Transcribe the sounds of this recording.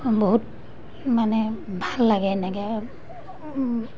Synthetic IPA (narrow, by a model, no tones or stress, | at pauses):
boɦut̚ | manɛbʱalːaɡɛnɛɡɛ